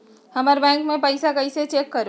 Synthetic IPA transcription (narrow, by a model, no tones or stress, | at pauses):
həməɾbɛ̃ŋkmepəɪsakəɪset͡ʃekːəɾo